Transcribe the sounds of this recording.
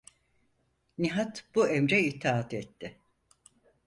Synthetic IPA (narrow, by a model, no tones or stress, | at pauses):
niɦat̪b̥uemɾɛit̪ʰaat̪ɛt̪ːɪ